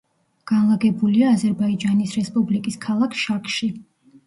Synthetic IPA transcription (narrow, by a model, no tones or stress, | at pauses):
ɡ̥anlˠaɡɛbuliaːzɛɾbaid͡ʒanisɾɛspʼublikʼiskʰalˠakʰʃakʼʃi